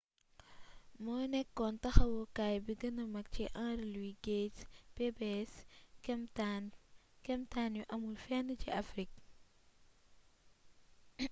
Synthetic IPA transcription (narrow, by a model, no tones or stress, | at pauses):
mɔjnɛkːɔntɐxɐwɔkaːjbiɡɐnɐmɐk̚ciʔãːɾlwiɡetpebɛsɛmtankɛmtaːnjuʔɐmulfɛnːəciʔɐfɾik̚